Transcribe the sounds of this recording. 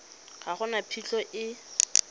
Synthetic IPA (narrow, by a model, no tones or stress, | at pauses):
χaχʊnapʰiɬɔʔɪ